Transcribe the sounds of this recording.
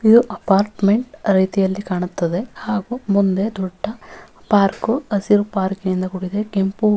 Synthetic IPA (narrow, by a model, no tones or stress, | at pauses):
id̪uʔɐpaːɾʈmeɳʈɾɐjt̪ijɐlːikaːɳut̪ːɐd̪e̞haːɡumund̪e̞d̪ɔɖːɐpaːɾkuɐsiɾpaːɾkejind̪ɐkuɽid̪ekempu